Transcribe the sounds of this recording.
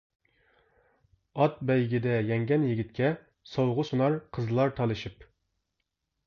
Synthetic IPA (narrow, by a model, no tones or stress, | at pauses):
ɑt̪̚bɛjɡʲid̪ɛjɛŋɡʲɛnjiɡʲit̪kʲɛ | sowʁʊsunɑɾqʰəzlˠɑɾt̪ʰɑlˠɨʃip